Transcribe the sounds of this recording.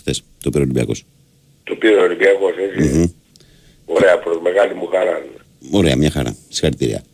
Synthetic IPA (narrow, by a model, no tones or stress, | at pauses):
xθes | t̪opiɾolibiɐko̞s | t̪opiɾoolimbiɐko̞sesi | oɾeɐpɾozmeɣɐlimuxɐɾɐn | o̞ɾe̞ɐmɲɐxɐɾɐ̰si̥xɐɾit̪iɾḭɐ̰